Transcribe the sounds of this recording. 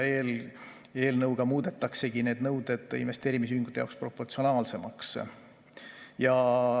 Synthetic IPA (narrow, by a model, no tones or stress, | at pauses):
eːl | e̞ːlnɤwɡ̥ɑmuːd̪̥e̞t̪ːˑɑkse̞ɡ̥ine̞ːd̪nɤwd̪e̞d̪̥inve̞st̪e̞ːɾimis̬yhiŋɡ̥ut̪ːˑeɑ̰wkspro̞pːo̞rt̪sio̞nɑːlse̞mɑks | jɑ